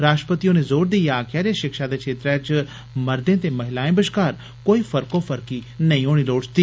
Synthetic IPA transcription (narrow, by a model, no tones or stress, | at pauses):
ɾaːsʈɾəpət̪ijõːneːzoːɾd̪iːjaːkʰjaːɾeːʃɪkʃaːd̪eːkʃeːt̪ɾɛ̃t͡ʃ | məɾd̪ẽːt̪eːməɦɪlaːẽbəʃkaːɾ | koːiːpʰəɾkõːpʰəɾkiːnəĩoːɽ̃iːloːɽt͡ʃt̪iː